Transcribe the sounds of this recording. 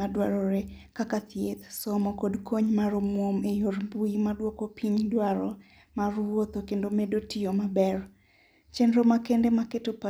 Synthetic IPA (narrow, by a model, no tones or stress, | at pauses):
adwa̰ɾɔɾe | kakat̪jet̪sɔmɔkodkʰoɲmaɾomwomejoɾmbuimadwɔkɔpʰiɲdwaɾɔ | marwot̪okendomedotiomabɛr | t͡ʃenɾomakendemaketopa